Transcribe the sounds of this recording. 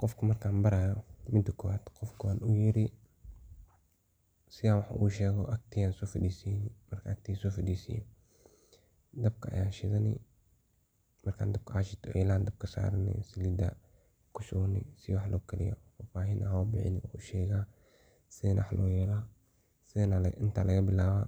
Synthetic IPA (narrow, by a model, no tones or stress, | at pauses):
qɔfkʰɐmɐrkʰaːnbɐɾajɔmɪt̪ʊkʰɔwaːd̪qɔfkʰʊwaːnʊjɪɾɪ | sɪaːwɑħʔuːʃɛːɣɔʔɐk̚t̪ʰɪjaːnsɔːfɪd̪iːsinmɐrkʰɐɐk̚t̪ʰɪsɔːfɪd̪iːsɪ̰jɔ̰ | d̪ɐb̚kʰɐɐ̰jaːnʃɪðɐnɪ̰ | mɐrkʰã̰ːnd̪ɐb̚kʰɐʔaʃɪt̪ʰɔ̰jɛlaːnd̪ɐb̚kʰɐsa̰ːɾnɪ̰sɪlid̪ɐ̰ | kʰʊsʊɣnɪ̰sɪwɑħlʔɔːkʰɐlɪ̰jɔ̰faːfaːɦɪnʔɐɦʊbɪ̰ħɪ̰nɪɔʃɛːɣaː | sɪðnwħlʔɔ̰ːjɛːlaː | sɪnʔɪnt̪ʰalʔɐɣɐbɪlaːβaː